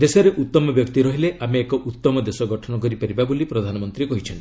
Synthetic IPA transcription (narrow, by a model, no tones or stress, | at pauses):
d̪esɔɾeʔut̪ːɔmɔbjɔkt̪iɾɔɦileʔameːkɔʔut̪ːɔmɔd̪esɔɡɔʈʰɔnɔkɔɾipaɾibabolipɾɔd̪ʱanɔmɔnt̪ɾikɔɦit͡ʃʰɔnt̪i